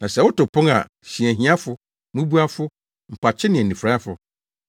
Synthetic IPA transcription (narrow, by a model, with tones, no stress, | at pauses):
nã˨sɛ˨wʊ˦tʊ˨pʰʊ̃˦ŋa̰˨ | ɕĩ˨æ˨ɦĩ˦a˦fʊ˦ | mũ˦bu˦a˦fʊ˦ | m̩˨pʰa˨t͡ɕʰɪ˦nɪ̃˨ɛ˨nːĩ˨fɾa˦fʊ˨